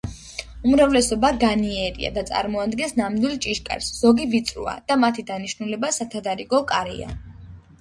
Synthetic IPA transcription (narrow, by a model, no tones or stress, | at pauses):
umɾavlɛsɔbaɡaniɛɾḭa̰d̪at̪sʼa̰ɾmɔad̪ɡɛnsnamd̪wilˠt͡ʃʼiʃkʼa̰ɾsz̥ɔɡivit̪sʼɾṵa̰d̪̥amat̪ʰid̪aniʃnulɛbasat̪ʰad̪aɾiɡɔkʼaɾḭa̰